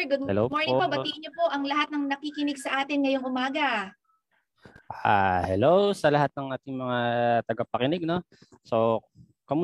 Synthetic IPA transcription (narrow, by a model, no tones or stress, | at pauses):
ɡʊd̪̚ɛlomoɹnɪŋpɐbɐiːʔɪɲopo̞ʔɐŋlɐhat̪̚nɐŋnɐkikɪnɪɡsɐʔaːt̪ɪnŋɐjoŋʔʊmaːɡɐ | ʔa̰hɛlowsɐlɐhat̪̚nɐŋʔaːt̪ɪŋmɐŋat̪ɐɡɐpɐkɪnɪɡ̚no̞ | so | kɐmʊ